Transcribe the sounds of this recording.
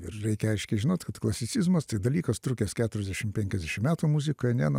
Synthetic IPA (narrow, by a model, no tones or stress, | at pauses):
ɪɾɾʲɛɪkʲɛɐɪʃʲkʲɛɪʒʲɪnoːt̪ʲkɐt̪klˠɐsʲɪtsʲizmɐst̪ɐɪd̪ɐlʲiːkɐst̪ɾukʲeːskʲæːt̪ʊɾʲɛzd̪ʲɛʃʲɪmpʲɛŋʲkʲɛzd̪ʲɛʃʲɪmʲæːt̪uːmuzʲɪkoːjɛnʲæːnɐ